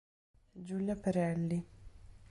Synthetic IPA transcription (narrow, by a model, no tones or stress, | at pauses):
d͡ʒuljapɛɾɛlːi